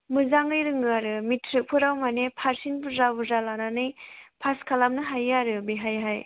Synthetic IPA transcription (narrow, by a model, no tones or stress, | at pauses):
mɯzaŋɯjɾɯŋɯaɾɯmitʰɾɯk̚pʰɯɾawmanepʰaɾsinbɯzabɯzalananɯjpʰaskʰalamnɯɦajaɾɯbeɦajɦaj